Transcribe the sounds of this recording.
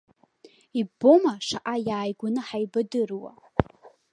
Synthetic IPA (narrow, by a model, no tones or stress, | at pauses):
ibo̞maʂaʔajaːjɡʷanɨħajbadɨrwa̰